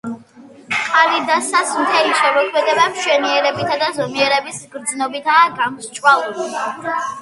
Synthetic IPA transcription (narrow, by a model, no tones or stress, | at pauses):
qʼalid̪asasmt̪ʰɛliʃɛmɔkʰmɛd̪ɛbamʃwɛniɛɾɛbit̪ʰad̪azɔmiɛɾɛbisɡɾd̪znɔbit̪ʰaːɡamst͡ʃʼwalˠuli